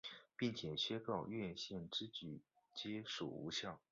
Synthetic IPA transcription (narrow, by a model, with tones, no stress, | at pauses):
pi˥˩ŋt͡ɕʰjɛ˨˩ɕɥɛ˥kɑ˥˧˩ʊɥɛ˥˧ɕjɛ˥˩nʈ͡ʂɻ̩˥t͡ɕy˨˩˦ | t͡ɕjɛ˥ʂṵ˨˩ṵ˧˥ɕjɑ˥˩ʊ